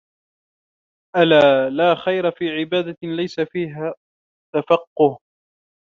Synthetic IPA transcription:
ʔalaːlaːxajɾafiːʕɪbaːd̪alajsafiːɦaː | t̪afɑqːʊh

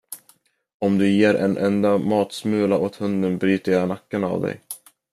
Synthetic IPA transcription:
ɔmd̪ɵjeːɾʔɛ̰nʔɛ̰nd̪amɑːt̪smʉ̟ːlaʔoːt̪hɵnd̪ənbɾyːt̪əjɑnakːana̰vd̪ɛ̰j

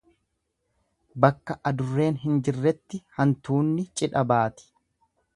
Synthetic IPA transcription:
bɐkːɐʔɐd̪ʊrːe̞ːnɦɪnd͡ʒɪrːɛt̪ːɪhɐnt̪uːnːɪt͡ʃʼɪᶑɐbaːt̪ɪ̥

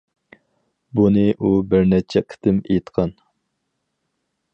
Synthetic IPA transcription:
bunɨʔubɪɾnɛt͡ʃʰɛqʰə̥t̪ʰɪmḛjt̪qʰɑn

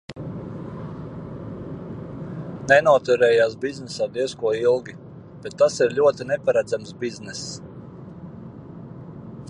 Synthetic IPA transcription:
nɛnuɔt̪uɾɛːjaːsbiznɛsaːd̪iɛskuɔilˠɡʲi | b̥et̪ːasiɾlʲuɔt̪inɛpaɾæd̪zamsbiznɛs

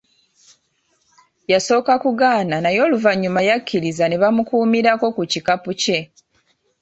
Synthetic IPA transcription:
jaso̞ːkakuɡaːnanajo̞ːluvaɲːumajacʰːiɾizane̞βamukuːmiɾako̞kucikapuce̞

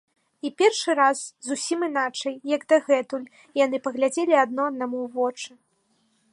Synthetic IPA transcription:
ipʲɛrʂɨɾaszusʲiminat͡ʂɐjjɐɡd̪ɐɣɛt̪ulʲ | janɨpɐɣlʲad͡zʲelʲiɐd̪̚nɔɐd̪namuvɔt͡ʂɨ

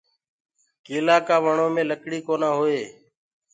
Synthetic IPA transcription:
keːlaːkaːʋəɳoːmẽːləkɽiːkoːnãːɦoːeː

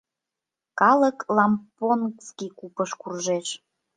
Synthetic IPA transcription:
kɑləklɑmponkskikupəʃkurʒeʃ

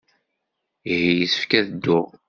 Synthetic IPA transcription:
ihijəsə̥fkæðəd̪ːʊʁ

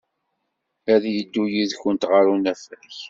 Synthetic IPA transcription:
æðjəd̪ːujiðçənt̪ʁəɾunæfæç

